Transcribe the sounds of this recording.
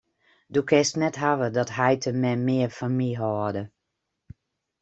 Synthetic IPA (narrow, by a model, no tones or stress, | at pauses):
dukʰɛstnɛtɦaʋədɔtɦɛjtʰəmɛmɪəfamiɦɔdə